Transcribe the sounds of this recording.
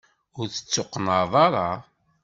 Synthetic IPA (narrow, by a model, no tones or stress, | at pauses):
ʊɾθə̥t͡sːʊqːnəðˤɑɾˤɑ